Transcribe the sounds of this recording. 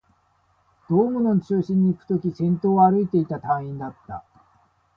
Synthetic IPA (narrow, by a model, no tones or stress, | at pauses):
d̪̥o̞ːmɯ̟no̞nt͡ɕɨːɕĩɲ̟ːiːkɯ̟̥t̪o̞kʲisẽ̞nt̪o̞ːaɾɯ̟it̪e̞it̪at̪ãĩnd̪at̪ːa̰